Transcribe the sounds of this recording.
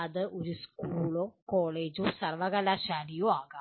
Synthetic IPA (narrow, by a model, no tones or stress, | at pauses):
ɐðɨʔoɾiskuːɭoːkoːɭeːd͡ʑoːsɐrʋɐɣɐlaɕaːlijoaːɣɐ